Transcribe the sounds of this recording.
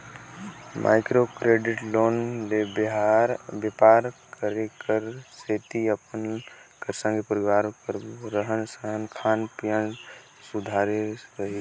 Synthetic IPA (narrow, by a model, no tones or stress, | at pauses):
mʔa̰ːɪkɾokɾeːɖɪʈloːnlebɦaɾbəpaːɾkəɾekəɾseːt̪iəpənkəɾsə̃ŋɡepəɾiʋaːɾkəɾɾəɦənsəɦənkʰaːnpijə̃n | sud̪ʱaːɾeɾəɦe